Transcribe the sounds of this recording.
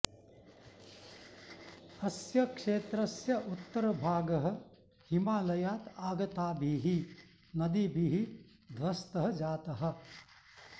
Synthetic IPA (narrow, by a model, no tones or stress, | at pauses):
ɐsjɐkʂeːt̪ɾɐsjɐʔut̪ːɐɾɐbʱaːɡɐɦɐ̆ | himaːlɐjaːt̪aːɡɐt̪aːbʱiːɦi | nɐd̪ibʱiːɦi | d̪ʱʋɐst̪ɐɦɐ̆d͡ʒaːt̪ɐɦɐ̆